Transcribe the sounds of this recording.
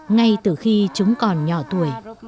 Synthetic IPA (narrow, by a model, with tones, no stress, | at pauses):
ŋa˧jt̪ɨ˧˨˩xi˧t͡ɕʊ˨˦ŋ͡mkɔ˨˩nɲɔ˧˩t̪u˧˩əj